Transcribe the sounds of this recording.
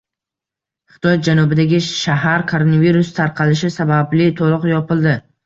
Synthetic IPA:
χɪ̥t̪ʰɒj̪̚d͡ʒanʊbɪd̪aɡʲɪʃaɦaɾkʰoɾonaviɾʊst̪ʰaɾqʰɑlɪʃɪsabablɪt̪ʰolˠʊqjɒpɪlˠd̪ɪ

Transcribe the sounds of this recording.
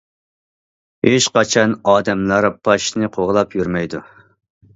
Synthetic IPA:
heʃqɑt͡ʃʰɑnɑːd̪ɛmlˠɑɾpʰɑʃnɨqʰoʁlˠɑpʰjyɾmɛjd̪u

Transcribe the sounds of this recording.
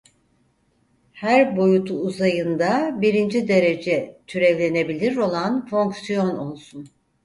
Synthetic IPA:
hæɾbo̞jut̪ʰuːzajɯnd̪abiɾind͡ʒid̪e̞ɾe̞d͡ʒɛt̪ʰyɾɛvlʲe̞ne̞bilʲiɾo̞lˠanfo̞ŋksijo̞no̞lˠsun

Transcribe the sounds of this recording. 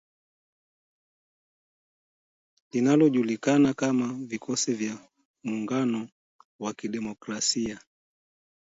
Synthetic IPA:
linalɔʄulikanakamavikʰɔsivja | muːŋɡanɔ | wakiɗɛmɔkɾasia

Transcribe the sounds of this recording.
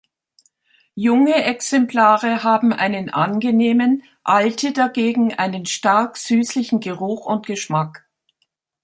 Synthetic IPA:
jʊŋəʔɛksɛmpl̥aːʁəɦaːbm̩ʔa̰ɪnənʔa̰nɡəneːmən | ʔaltədaɡeːɡŋ̩ʔaɪnənʃtaɐkz̥yːslɪçn̩ɡəʁʊxʊntɡ̥əʃmak

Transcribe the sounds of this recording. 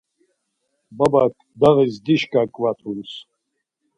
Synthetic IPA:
babakʰʼ | d̪aʁizd̪iʃkʼakʼvat̪ʰuns

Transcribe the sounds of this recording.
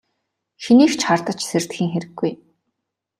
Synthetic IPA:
xiniːxt͡ɕχart̪ə̆t͡ɕsert̪xiːŋxeɾɘ̆ɡːuj

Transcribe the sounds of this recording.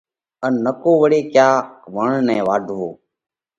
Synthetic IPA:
ənːəkoːʋəɽeːkjaːʋəɳnɛ̃ːʋaːɖʱɦoː

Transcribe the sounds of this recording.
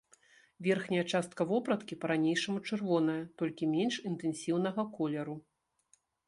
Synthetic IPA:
vʲɛrxnʲɐjɐt͡ʂast̪̚kɐvɔpɾɐt̪kʲipɐɾanʲejʂɐmut͡ʂɨrvɔn̪ɐjɐt̪ɔlʲkʲimʲɛnʂint̪ɛnsʲiwn̪ɐɣɐkɔlʲɛɾu

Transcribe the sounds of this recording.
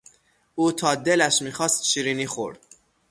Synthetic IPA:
ʔuːt̪ʰɒːd̪e̞læʃmiːxɒːst̪ʃiːɾiːniːxo̰ɾd̪̥

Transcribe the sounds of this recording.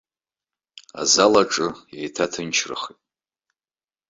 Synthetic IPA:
a̰zalaʈ͡ʂʼɨjejtʰatʰɨnt͡ʃʰrɨ̰χitʼ

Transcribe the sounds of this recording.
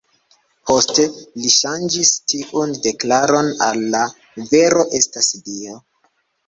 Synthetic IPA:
pʰo̞ste̞liʃand͡ʒistiʔunde̞klaɾo̞nalːa | ve̞ɾo̞ʔe̞stasdio

